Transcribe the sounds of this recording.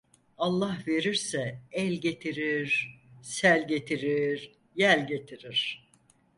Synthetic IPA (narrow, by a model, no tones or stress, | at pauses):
alˠːahve̞ɾiɾsɛɛlʲɟe̞t̪ʰiɾiɾ̥sælʲɟe̞t̪ʰiɾiɾ | jælʲɟe̞t̪ʰiɾiɾ̥